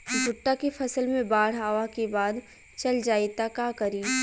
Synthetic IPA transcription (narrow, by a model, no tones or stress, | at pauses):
d͡ʒʱʊʈːakefʰɐsəlmẽbaːɽ̤ɦaːʋakebaːd̪ | t͡ʃɐld͡ʒaːit̪akaːkɐɾiː